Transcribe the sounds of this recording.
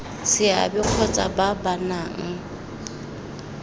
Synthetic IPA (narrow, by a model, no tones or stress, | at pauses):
sɪa̰bɪq͡χʰɔt͡sʼababanaŋ̩